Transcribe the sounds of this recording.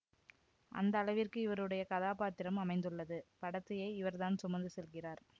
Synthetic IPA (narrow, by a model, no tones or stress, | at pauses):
ʔɐ̰nd̪ɐːlɐʋɪrkɯɪʋɐɾɯɽɐjɐkɐðaːpaːt̪ɪɾɐmɐmɐɪnd̪ɯɭːɐðɯpɐɽɐt̪ːɐjeːɪʋɐɾt̪aːnsʊmɐnd̪ɯsɛlɣɪraːɾ